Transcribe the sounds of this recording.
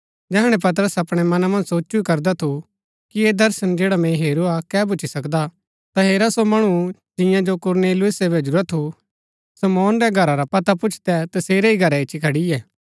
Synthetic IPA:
d͡ʒɛɦɽ̃ɛpɐt̪̬əɾəsɐpɽ̃ɛmɐnamɐ̃nd͡ʒsoːt͡ʃuikɐɾd̪at̪ʰu | kied̪ɐɾʃənd͡ʒeːɽamẽɦeːɾuakɛːbʊt͡ʃʰisɐkd̪a | t̪aɦeːɾasomɐɽ̃u | d͡ʒɪ̃jãd͡ʒokʊɾneːlʊʊsɛbɛd͡ʒʊɾɾat̪ʰːu | sɐmɔːnɾɛɡʱɐɾaɾapɐt̪apʊt͡ʃʰt̪ɛt̪ɐseːɾeiɡʱɐɾɛɪt͡ʃʃʰikʰɐɽiɛː

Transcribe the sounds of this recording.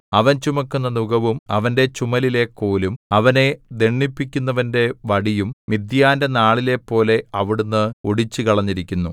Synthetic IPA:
ɐʋɐnt͡ɕumɐkːunːɐnuɡɐʋumɐ̰ʋɐnde̞t͡ɕumɐlile̞kːoːlumɐʋɐne̞d̪e̞ɳːipːikʲːunːɐʋɐnde̞ʋɐɽijummid̪jaːndɐnaːɭile̞pːo̞ːle̞ɐʋiɽunːɨoɽit͡ɕːukɐɭɐɲːiɾikʲːunːu

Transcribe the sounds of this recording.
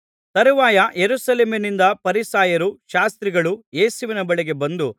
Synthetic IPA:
t̪ɐɾuʋaːjɐjeɾusɐleːminind̪ɐpɐɾisaːjɐɾuʃaːst̪ɾiɡɐɭuje̞ːsuʋinɐbɐɭeɡe̞bɐnd̪u

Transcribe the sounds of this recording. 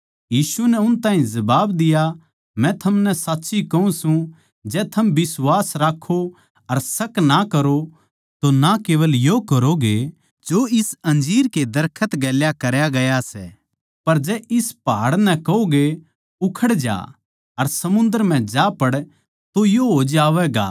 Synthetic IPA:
jiːsunɛʊnt̪ãːɦĩzɐbaːbd̪ɪja | mɛ̃t̪ʰɐmnɛsaːtːʃikɐũsũ | d͡ʒɛːt̪ʰɐmbɪswaːsɾaːkʰo | ɐɾsɐknakɐɾo | t̪onakeːʋəljokɐɾoɡe | d͡ʒoɪsɐ̃nd͡ʒiːɾked̪ɐɾkʰət̪ɡɛːljakɐɾjaɡɐjasɛː | pɐɾd͡ʒɛːʔɪspaːɽnɛ̃kɐoɡe | ʊkʰəɽd͡ʒa̰ː | ɐɾsɐmʊ̃nd̪əɾm̤ɛ̃d͡ʒaːpɐɽ | t̪ojoɦoːd͡ʒaːʋɛːɡa̰ː

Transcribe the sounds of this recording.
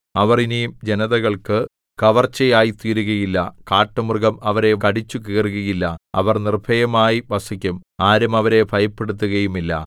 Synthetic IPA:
ɐʋɐrinejumd͡ʑenɐðɐɣɐɭkɨ | kɐʋɐrt͡ɕːɐjaːjit̪iːɾuɣɐjilːɐkaːʈːɐmurɡɐmɐʋɐɾe̞kɐɽit͡ɕːukeːruɣɐjilːɐɐ̰ʋɐrnirbʱɐjɐmaːjiʋɐsɐkʲːumaːɾɐmɐʋɐɾe̞bʰʱɐjɐpːeɽut̪ːuɣɐjumilːɐ̰

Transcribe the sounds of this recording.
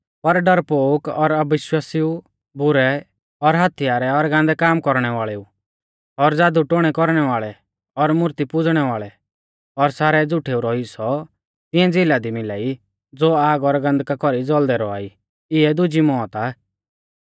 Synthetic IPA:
pɐɾɖɐɾpoːkɔɾɐbɪʃwaːsiu | bʊɾɛ | ɔɾɦat̪ʰijaːɾɛɔɾɡãːnd̪ɛkaːmkɔɾɽ̃ɛʋaːɭɛu | ɔɾd͡zaːd̪uʈoɽ̃ɛkɔɾɽ̃ɛʋaːɭɛ | ɔɾmʊɾt̪ipʊd͡zɽ̃ɛʋaːɭɛ | ɔɾsaːɾɛd͡zʊʈʰeːuɾɔisɔ | t̪ɪ̃ɛ̃d͡zɪlad̪imɪla̰ːi | d͡zoːaːɡɔɾɡɐ̃nd̪kakɔɾid͡zɔld̪ɛɾɔa̰ːi | ɪɛd̪ʊd͡ʒimɔːt̪aː

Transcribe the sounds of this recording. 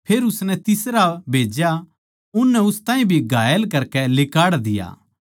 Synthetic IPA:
pʰeːɾʊsnɛt̪ɪsɾabʱeːd͡ʒja | ʊnːɛʊst̪ãːĩbʱiɡʱaːjəlkɐɾkɛlɪkaːɽd̪ɪja̰ː

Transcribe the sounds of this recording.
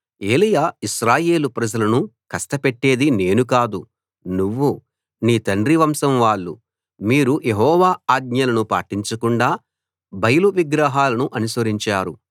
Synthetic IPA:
e̞ːlijaːiʃɾaːje̞ːlupɾɐd͡ʒɐlɐnukɐsʈɐpeʈːe̞ːd̪ine̞ːnuk̬aːd̪u | nuʋːu | niːt̪ɐɳɖɾiʋɐmsɐmʋaːɭːṵ | miːɾujeɦɔːʋaːaːɡ̪̚ɲɐlɐnupa̰ːʈiɲt͡ʃɐkuɳɖaː | bɐjɐluʋiɡɾaːɦaːlɐnuʔɐnusʋɐɾiɲt͡ʃaːɾu

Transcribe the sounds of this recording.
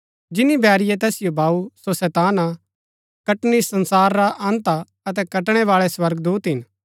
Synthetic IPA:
d͡ʒɪnibʱɛːɾɪjet̪̬ɛːsɪjobʱaːusosɛːt̪aːna | kɐʈnisɐ̃nsaːɾːaʔãːnt̪a | ɐt̪̬ɛkɐʈɽ̃ɛʋaːɭɛswɐɾɡd̪uːt̪ɦɪn

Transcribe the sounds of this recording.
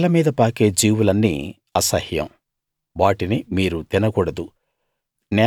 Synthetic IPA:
lɐmiːd̪ɐpaːke̞ːd͡ʒiːwulɐnːḭː | ɐsɐhjɐ̰m | ʋaːʈinimiːɾut̪inɐkuːɽɐd̪u | nɛː

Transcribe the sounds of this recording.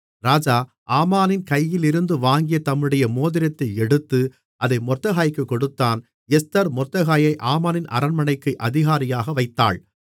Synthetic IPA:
ɾaːd͡ʒaː | ʔaːmaːnɪnkɐjːɪlɪɾɯnd̪ɯʋaːŋɡɪjɐt̪ɐmːɯɽɐjɐmoːðɪɾɐt̪ːɐɪɛɽɯt̪ːɯ | ʔɐðɐɪmɔrt̪ːɐɣaːjkːɯkːɔɽɯt̪ːaːn | ɛst̪ɐɾmɔrt̪ːɐɣaːjɐɪʔaːmaːnɪnʔɐ̰ɾɐnmɐɳɐɪkːɯʔɐðɪɣaːɾɪjaːɣɐʋɐɪt̪ːa̰ːɭ

